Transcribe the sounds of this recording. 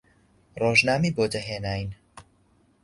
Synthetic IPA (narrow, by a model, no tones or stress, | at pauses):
roːʒnaːmiːboːdɐɦeːnaːjn